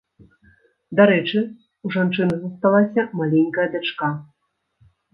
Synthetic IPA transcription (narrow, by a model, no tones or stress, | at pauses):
d̪aɾɛt͡ʃɨ | uʐant͡ʂɨnɐzɐst̪alˠasʲɐmalʲeŋʲkəjɐd̪ʲat͡ʂka